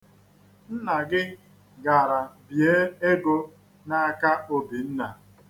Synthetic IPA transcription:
n̩˦na˨ɡɪ˦ | ɡa˨ɾa˨bje˦e˦ɡo˦ | na˦a˦ka˦o˦bi˨n̩˦na˨

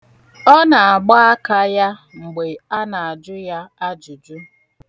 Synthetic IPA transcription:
ɔ˦na˨a˨ɡ͡ba˦a˦ka˦ja˦ | ŋ͡m̩˨ɡ͡be˨a˦na˨a˨d͡ʒʊ˦ja˦a˦d͡ʒʊ˨d͡ʒʊ˦

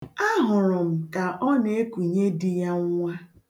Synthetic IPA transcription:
a˦ɦʊ˨ɾʊ˨m̩˨ka˨ʔɔ˦ne˨˦e˦kʷu˨ɲe˦dɪ˨ja˦ŋ˦ŋʷa˦

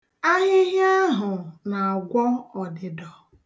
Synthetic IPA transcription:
a˦ɣɪ˦ɦja˦ɦʊ˨na˨a˨ɡʷɔ˦ɔ˨dɪ˨dɔ˨

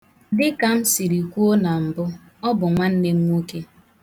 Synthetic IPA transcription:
dɪ˦ka˨m̩˦si˨ɾi˨kʷu˦o˦na˨m̩˨bʊ˦ | ɔ˦bʊ˨ŋʷa˦n̩˦ne˦m̩ʷ˦u˦ke˦

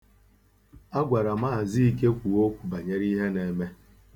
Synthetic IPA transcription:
a˦ɡʷa˨ɾa˨ma˦˨zi˦i˦k̬e˦kʷu˨o˦kʷu˨ba˨ɲe˦ɾi˦ɦe˦ne˨me˦

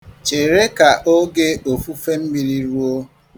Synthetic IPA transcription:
t͡ʃe˨ɾe˦ka˨ʔo˦ɡe˦o˨fu˦fe˦m̩˦mi˨ɾi˦ɾu˦o˦

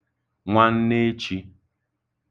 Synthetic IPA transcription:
ŋʷa˦n̩˦ne˦t͡ʃi˦

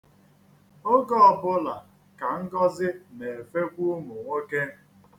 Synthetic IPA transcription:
o˦ɡɔ˦ɔ˨bʊ˦la˨ | ka˨ŋ̩˦ɡɔ˦zɪ˦ne˨e˨fe˦kʷu˦mʊ˨ŋʷe˦ke˦

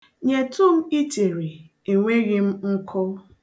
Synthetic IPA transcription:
ɲe˨tʊ˦m̩˦i˦te˨ɾi˨ | e˨ŋʷe˦ɣɪ˦m̩˦ŋ̩˦kʰɔ˦

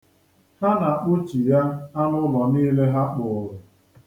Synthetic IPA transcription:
ha˦na˨ʔu˦t͡ʃi˨ja˦ha˦nʊ˦lɔ˨niː˦le˦ɦa˦k͡pʊ˨ʊ˨lʊ˨

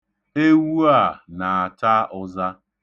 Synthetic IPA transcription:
e˦wu˦a˦˨na˨a˨t͡ʃa˦ʔʊ˦za˦

